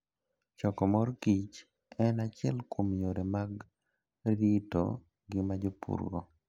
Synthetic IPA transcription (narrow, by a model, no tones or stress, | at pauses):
t͡ʃɔkɔmɔɾkit͡ʃ | ɛnat͡ʃɪɛlkomjoɾemaɡ | ɾito̰ | ɡɪmad͡ʒopṵɾɡɔ̰